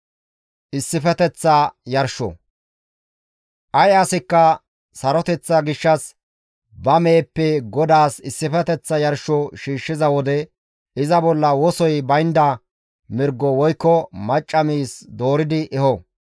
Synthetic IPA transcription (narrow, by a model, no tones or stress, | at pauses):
ʔɪsːɪfɛt̪ɛt͡sːɐjɐɾʃɔ̰ | ʔɐjɐsɪkːɐ | sɐɾɔt̪ɛt͡sːɐɡɪʃːɐs | bɐmeːpːɛɡɔd̪aːsɪsːɪfɛt̪ɛt͡sːɐjɐɾʃɔʃiːʃːɪzɐwɔd̪ɛ | ɪzɐbɔlːɐwɔsɔjbɐjnd̪ɐ | mɪɾɡːɔwɔjkːɔmɐt͡ʃʼːɐmiːsd̪oːɾɪd̪ɪʔɛhɔ